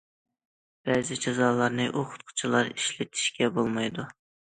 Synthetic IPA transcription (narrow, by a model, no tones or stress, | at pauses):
bɾɛzɪd͡ʒɑzɑːlˠɑɾnɨʔoqʰʊ̥t̪̚qʰʊ̥t͡ʃʰilˠɑɾiʃlɪt̪ʰi̥ʃkʲɛbolˠmɑjd̪u